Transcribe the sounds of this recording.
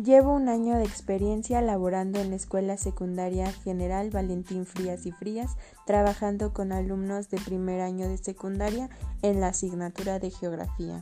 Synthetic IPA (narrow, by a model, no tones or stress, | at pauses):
ɟ͡ʝe̞βo̞unaɲo̞ðe̞eːkspe̞ɾje̞nsjaelaβo̞ɾand̪o̞enlaeskwe̞lase̞kund̪aɾjaxe̞ne̞ɾalβale̞nt̪iɱfɾiasifɾias | t̪ɾaβaxand̪o̞ko̞nalumno̞zðe̞pɾime̞ɾaɲo̞ðe̞se̞kund̪aɾjaenlasiɣnat̪uɾaðe̞xeo̞ɣɾa̰fia̰